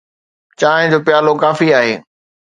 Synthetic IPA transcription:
t͡ɕaːɦɪ̃d͡ʑoːpjaːlokaːfiaːɦeː

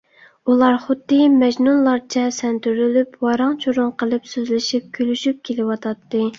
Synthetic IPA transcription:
ulˠɑɾχʊd̪ːɨmɛd͡ʒnunlˠɑɾt͡ʃʰɛsɛnt̪ʰyɾylypwɑɾɑŋt͡ʃʰoɾʊŋqʰəlˠɨpsøzlɪʃip̚kʲʰølyʃyp̚kʲʰelɪwɑt̪ʰɑt̪ːɨ

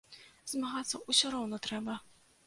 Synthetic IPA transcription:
zmaɣat̪sːɐusʲɔɾɔwnɔt̪ɾɛbɐ

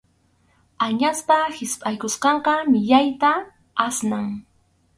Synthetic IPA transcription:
aɲaspahɪspʼajkʊsqɑɴqɑmɪʎajt̪a | asnaŋ

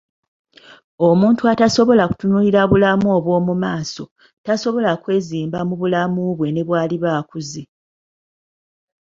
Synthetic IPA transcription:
omuːntuataso̞βo̞laku̥tunuliɾaβulamuoβwo̞ːmumaːso̞ | taso̞βo̞lakwe̞ːziːmbamuβulamuβwe̞ne̞βwaːliβaːkuzi

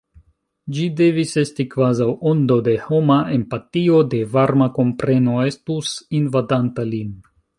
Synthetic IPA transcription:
d͡ʒide̞vise̞stikvazawo̞ndo̞de̞ho̞mae̞mpatio̞de̞vaɾmako̞mpɾe̞no̞e̞stusinvadantalin

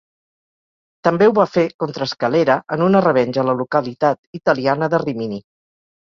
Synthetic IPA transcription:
t̪əmbewβafekɔnt̪ɾəːskəleɾəʔənunərəβɛnʲʒələlukəlit̪at̪it̪əlianəðərimini

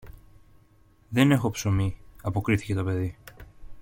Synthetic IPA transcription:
ðe̞ne̞xo̞psomiɐpo̞kɾiθice̞t̪o̞pe̞ði

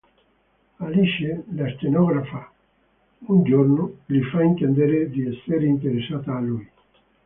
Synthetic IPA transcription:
aliʃelast͡ʃ̪enɔɡɾafa | und͡ʒornʊlifaint̪end̪eɾed̪iɛsːeɾeint̪̬eɾesaːt̪aːluj

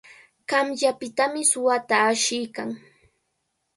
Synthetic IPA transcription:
kamʎapɪt̪amɪsʊwat̪aːʃɪjkaŋ

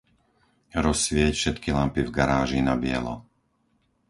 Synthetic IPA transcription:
ɾɔsʋɪɛcfʃɛt̪kilampivɡaɾaːʒinabɪɛ̰lɔ̰

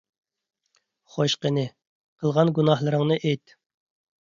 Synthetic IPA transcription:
χoʃqənɨ | qʰəlˠʁɑnɡunɑhlˠɨɾəŋnɨʔejt̪

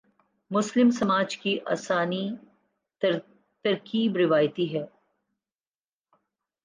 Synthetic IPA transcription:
mʊslɪmsɐmaːd͡ʒkiʔa̰ːsaːni | t̪ɐɾkiːbɾɪʋaːjt̪iɦɛː

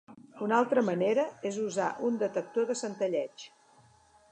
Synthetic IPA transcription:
unalˠt̪ɾəməneɾəezuzaʔund̪ət̪ək̚t̪oðəsənt̪əʎɛt͡ʃ

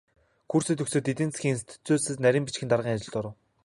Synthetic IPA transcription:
xursɘ̆t̪ɵksĕːt̪ːit̪ɘ̆nt͡sxʲiːŋinst̪ʰi̥t͡suːsɘ̆snæɾʲiːmpit͡ɕxʲɘnarʁiːŋat͡ɕɪ̆ɮt̪ɔɾə̆w

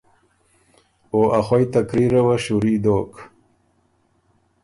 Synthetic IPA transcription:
oʔaxojt̪akɾiɾawaɕuɾid̪oːk

